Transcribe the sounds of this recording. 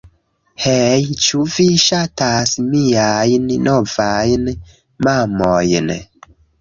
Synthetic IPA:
hejt͡ʃuviʃatasmiajnnovajn | mamojn

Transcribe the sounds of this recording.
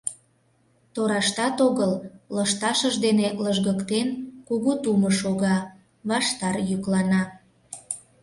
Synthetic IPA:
t̪oɾɑʃt̪ɑt̪oɣəlləʃt̪ɑʃəʒd̪eneləʒɣəkt̪enkuɣut̪uməʃoɣɑ | βɑʃt̪ɑrjyklɑnɑ

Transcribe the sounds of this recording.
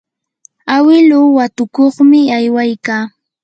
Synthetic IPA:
awɪlʊwat̪ʊkoχmɪajwajkaː

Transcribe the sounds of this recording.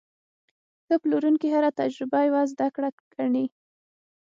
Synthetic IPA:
xəploɾunkiɦaɾat̪ad͡ʒɾɪbajwazd̪akɽa | ɡ̥aɳi

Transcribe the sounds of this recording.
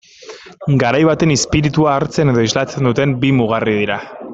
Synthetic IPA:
ɡaɾajβ̞at̪e̞nispiɾit̪uaːɾt͡se̞ne̞ðo̞izlat͡se̞nd̪ut̪e̞mbimuɣ̞arið̞iɾa

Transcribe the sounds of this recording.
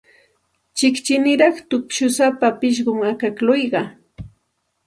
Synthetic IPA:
t͡ʃɪkt͡ʃɪnɪɾɑχt̪ʊpʃʊsapapɪʃ̬ɢʊmakaklʊjɢɑ

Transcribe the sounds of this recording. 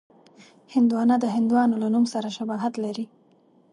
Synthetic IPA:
hɪnd̪uwɑnad̪əɦɪnd̪uwɑnolanumsaɾaʃabɑɦat̪laɾi

